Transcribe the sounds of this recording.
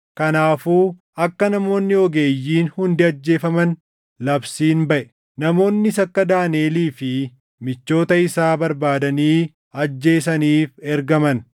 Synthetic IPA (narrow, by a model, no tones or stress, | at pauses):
kɐnaːfuː | ɐkːɐnɐmo̞ːnːɪɔɡe̞ːjːiːnhʊnd̪ɪɐd͡ʒːe̞ːfɐmɐn | lɐbsiːnbɐʔɛ | nɐmo̞ːnːɪsɐkːɐd̪aːneːliːfɪ | mɪt͡ʃːo̞ːt̪ɐɪsaːbɐɾbaːd̪ɐniː | ɐd͡ʒːe̞ːs̬ɐniːfɛɾɡɐmɐn